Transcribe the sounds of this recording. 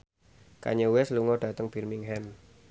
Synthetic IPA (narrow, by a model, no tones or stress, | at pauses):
ka̰ɲəwɛsluŋɔɖ̥ä̤t̪əŋb̥i̤rmɪŋɦɛn